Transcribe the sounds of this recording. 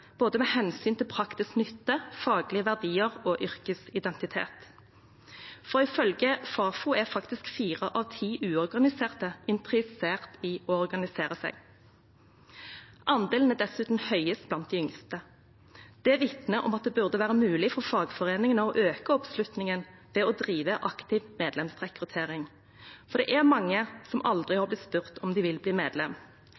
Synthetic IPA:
b̥oːd̪əmeːhɛnsyːnt̪ʰɪlpʰʁɑkt̪ɪsknʏt̪ːəfɑːɡlɪəʋæʁd̪iːəʁoːʔʏʁkəsɪd̪ɛnt̪ɪt̪ʰḛːt̪ | fɔʁɪfœlɡəfɑːfuːæfɑkt̪ɪskfiːʁəʔɑʋt̪ʰiːʔʉːɔʁɡɑnɪseːʁt̪əɪnt̪ʁɪseːʁt̪iɔɔʁɡɑnɪseːʁəsæ̰ɡ | ʔɑnd̪eːln̩æd̪ɛsʉːt̪n̩hœʏəst̪blɑnt̪̚d̪ɪʏŋst̪ə | d̪̥ɛʋɪt̪nəʔɔ̰mɑt̪̚d̪ɛbʉʁd̪əʋæːʁəmʉːlɪfɔʁfɑːɡfɔʁeːnɪŋənəɔʔøːkəɔpslʉt̪nɪŋən | ʋɛɔd̪ʁiːʋəʔɑkt̪ɪʋmeːd̪lɛmsʁɛkʁʉt̪ʰeːʁɪŋ | fɔʁd̪ɛ̰ːʔæʁmɑŋːəsɔmʔɑld̪ʁɪhɑːblɪt̪spʉʁt̪ʰɔmd̪ɪʋɪlbliːmḛːd̪lɛm

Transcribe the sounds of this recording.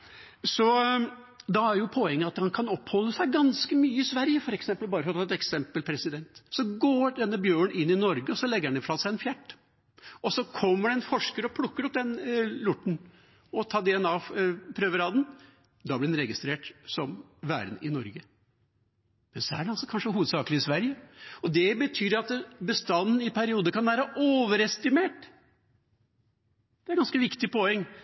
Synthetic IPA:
sɔ | d̪ɑæɾjʊpʰɔɛŋːəɑt̪hɑnkʰɑnɔphɔlːəsæɪɡɑnskəmyːəɪsʋæɾjəfɔɾɛksɛmpəlbɑːɾəfɾɔt̪ʰɑɛt̪ɛksɛmpəlpʰɾɛsɪd̪ɛnt̪sɔɡoːɖ̪ɛnːəbjøːɳʔɪnːɪnɔɾɡəɔsɔlɛɡəɾɛnɪfɔʂɑlsæɪɛnfjæʈː | ɔsɔkʰɔmːəɖɛnfɔʂkəɾɔpʰlʊkːəɾɔp̚d̪ɛnlʊʈːɳ̩ | ɔt̪ʰɑːd̪ɛɛnɑːpʰɾøːʋəɾɑːd̪n̩ | d̪ɑblɪd̪ɛnɾɛɡɪst̪ɾeːʈsɔmʋæ̰ːɾnɪnɔɾɡə | mɛnsɔæ̰ɖɛnɑlsɔkʰɑnʂəɦuːʋəd̪sɑːkəlɪɪsʋæɾjəɔd̪ɛbət̪ʰyːɾɑt̪bəst̪ɑnːn̩ɪpʰæɾɪuːd̪əkɑnʋæːɾəʔoːʋəɾɛst̪ɪmeːʈ | d̪̥ɛæɾɡɑnskəʋɪkt̪ɪpoɛŋː

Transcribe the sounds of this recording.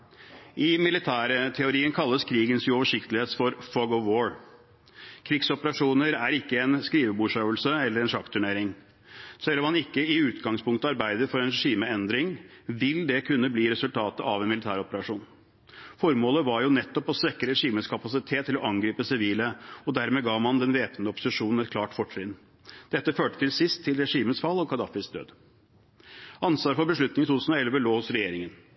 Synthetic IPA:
ʔɪmɪlɪt̪ʰæːɾət̪ʰɛʊɾiːənkʰɑlːəskʰɾiːɡənsʉɔʋəʂɪkt̪əlɪheːt̪fɔɾfɔɡɔʋːoːɹ | kʰɾɪɡsɔpəɾɑʂuːnəɾæɾɪkːəɛnskɾiːʋəbuːʂøːʋəlsəɛlːəɾɛnʂɑkt̪ʰʉɳeːɾɪŋ | sɛlːɔmhɑnɪkːəɪʉːt̪ɡɑŋspʰʊŋkt̪əɑɾbæɪd̪əfɔɾɛnɾɛʂiːməɛnd̪ɾɪŋʋɪld̪ɛkʰʉnːəbliːɾɛsʉlt̪ʰɑːt̪ə̰ɑʋɛnmɪlɪt̪ʰæːɾɔpəɾɑʂuːn | fɔɾmoːləʋɑɾjʊnɛt̪ːɔpɔsʋɛkːəɾɛʂiːmənskʰɑpɑsɪt̪ʰeːt̪ʰːɪlɔʔɑŋɡɾiːpəsɪʋiːləɔd̪æɾmeːɡɑːmɑnd̪ɛnʋeːpənəɔpːʊ̥sɪʂuːnn̩ɛt̪kʰlɑːʈfɔʈʂɪnː | d̪̥ɛt̪ːəføːʈə̥t̪ʰɪlsɪst̪ʰːɪlɾɛʂiːmənsfɑlːɔkʰɑd̪ɑ̰ːfɪsd̪ø̰ːd̪ | ʔɑnsʋɑːɾfɔɾbəʂɭʉt̪nɪŋɪt̪ʰut̪ʰʉsn̩ɔɛlʋəloːhʊsɾɛjeːɾɪŋən

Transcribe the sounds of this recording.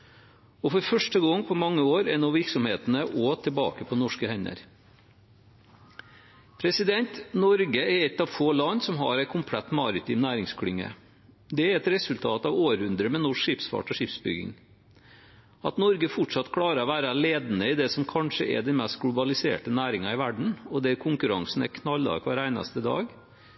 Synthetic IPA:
ɔfɔɾfœʂʈəɡɔŋːpʰɔmɑŋːəoːɾɛnːɔʋɪɾksɔmheːt̪nəʔoːt̪ʰəbɑ̰ːkəpʰɔnɔʂkəhɛɲə̰ɾ | pʰɾɛsɪd̪ɛnt̪nɔɾɡəɛɾɛt̪ːɑʋfoːlɑnːsɔmɦɑ̰ɾɛɪkʰʊmpʰlɛt̪ːmɑːɾɪt̪ʰɪmnæːɾɪŋskʰɽʏŋːə̰ | d̪ɛæɾɛt̪ɾɛsʉlt̪ʰɑːt̪ɑʋoːɾhʉnd̪ɾəmɛnɔʂkʂɪpsfɑ̰ʈɔʂɪpsbʏ̰ɡɪ̰ŋ | ɑt̪nɔɾɡəfʊʈʂɑt̪ːkʰɽɑːɾəɾɔʋæːɾɑleːd̪n̩əɪd̪ɛsɔmkʰɑnʂəʔɛ̰d̪ɛnmɛst̪̚ɡlʊbɑlɪsḛːʈənæːɾɪŋɑɪʋæɖɳ̩ɔd̪ɛkʰʊŋkʉɾɑŋsn̩ɛkʰnɑlːɑ̰kʰʋɑːɾæɪnɑ̰st̪əd̪ɑ̰ːɡ

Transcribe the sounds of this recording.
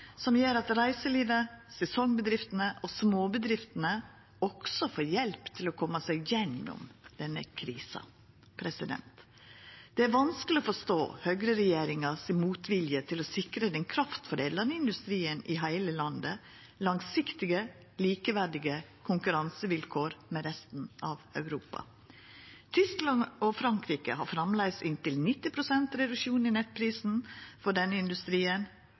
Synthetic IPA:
sɔmjøːɾɑt̪ɾæɪsəliːd̪əsɛsɔŋbəd̪ɾɪft̪ənəʔɔsmoːbəd̪ɾɪft̪ənə | ɔksɔfoːɾjɛlpt̪ʰɪlɔkʰɔmːɑsæɡjɛnːɔ̰md̪̥ɛnːə̰kʰɾiːsɑ̰ | pʰɾɛsɪd̪ɛ̰nt̪ | d̪̥ɛæɾʋɑnskəlɪɔfɔʂt̪o̰ːhøɡɾəɾɛjeːɾɪŋɑsɪmuːt̪ʋɪljət̪ʰɪlɔsɪkɾəd̪ɛnkʰɾɑft̪fɔɾeːd̪lɑnəɪnd̪ʉst̪ɾiːənɪɦæɪləlɑnd̪ə | lɑŋsɪkt̪ɪɡə | liːkəʋæɖɪɡəkʰʊŋkʉɾɑnsəʋɪlkʰoːɾmɛɾɛst̪n̩ʔɑːʋœʉɾuːpɑ̰ | t̪ʰʏsklɑnɔfɾɑŋkɾiːkə̰hɑ̰ɾfɾɑmlæɪsɪnt̪ɪlnɪt̪ːɪpʰɾʊsɛnt̪ɾɛd̪ʉʃuːnɪnɛt̪̚pʰɾiːsn̩fɔɖɛnːəɪnd̪ʉst̪ɾiːən

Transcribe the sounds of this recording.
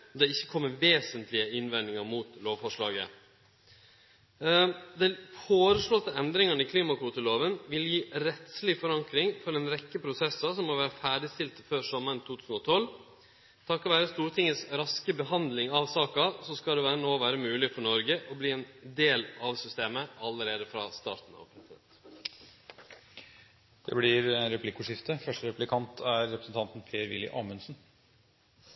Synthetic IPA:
d̪ɛɪçːəkʰɔmːəʋeːsənt̪lɪəɪnʋɛnɪŋɑɾmuːt̪loːʋfɔʂɭɑ̰ːɡə̰ | d̪ɛnfoːɾəʂɭɔt̪ːəɛnd̪ɾɪŋɑnɪkʰliːmɑkʰʋuːt̪əloːʋənʋɪljiːɾɛt̪slɪfɔɾɑŋkɾɪŋfɔɾɛnɾɛkːəpʰɾʊsɛsːɑsɔmmɔʋæːɾəfæːɖɪst̪ɪlt̪føːʂɔməɾənt̪ʰuːt̪ʰʉːsn̩ɔt̪ʰɔl | t̪ʰɑkɔʋæːɾəst̪uːɾt̪ʰɪŋːəsɾɑskəbəɦɑnd̪lɪŋɑʋsɑːkɑsɔskɑld̪ɛʋæːɾənoːʋæːɾəmʉːlɪfɔɳɔɾɡəʔɔbliːɛːnd̪eːlɑʋsʏst̪eːməɑlːəɾeːd̪əfɾɑ̰st̪ɑ̰ːɾʈ̪n̩ɑ̰ʋpʰɾɛsɪd̪ɛ̰nt̪ | d̪̥ɛ̰blɪɾɾɛpʰlɪkːʊʂɪft̪əfœʂʈəɾɛplɪkʰɑnt̪ʰæɾːɛpɾəsn̩t̪ɑnt̪npʰeːəɾʋɪlːɪ̰ʔɑːmənsn̩

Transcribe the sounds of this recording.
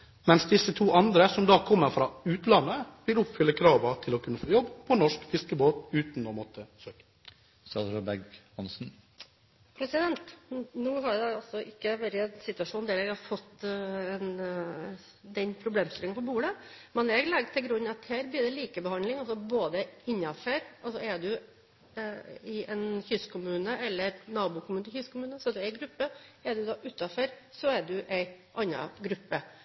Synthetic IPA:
mɛnsd̪ɪsːət̪ʰuːʔɑnd̪ɾəsɔmd̪ɑːkʰɔmːəɾfɾɑːʉːt̪lɑnːəʋɪlʊpfʏlːəkʰɾɑːʋət̪ʰɪlɔkʰʉnːəfoːjɔbːpʰɔnɔʂkfɪskəboːt̪ʉːt̪nɔːmɔt̪ʰːəsøːkə̥ | sɑɾəbɛɡhɑnsn̩ | pʰɾɛsɪd̪ɛnt̪nuːɦɑɾɖ̪ɛɑlsɔʔɪkːəʋæɾəɛnsɪt̪ʉɑʂuːnd̪ɛːɾɛːɡhɑɾfɔt̪ːɛn | d̪ɛnpʰɾʊbleːmsɪlɪŋnpʰɔbuːɽəmɛnɛɡlɛɡt̪ʰɪlɡɾʉnːɑt̪hæːɾbliːd̪ɛliːkəbəhɑnlɪŋɔsɔboːd̪əɪnːɑfœɾʔɑlsɔɛɖʉ | ɪʔɛnçʏskʰʊmʉːnəʔɛlːəɾnɑːbuːkʰʊmʉːnəçʏskʰʊmʉːnəsɔd̪ʉɛɪɡɾʉpːəɛɖʉd̪ɑːʔʉt̪ːɑfœɾsɔɛɖʉʔæɪʔɑnːɑ̰ɡɾʉpːə

